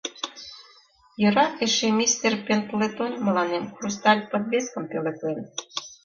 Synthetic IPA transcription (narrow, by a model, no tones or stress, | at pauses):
jɤ̆ɾɑeʃemʲist̪erpʲent̪let̪onʲmə̆lɑnemkrust̪ɑlʲpə̆d̪βeskə̆mpelĕk̪len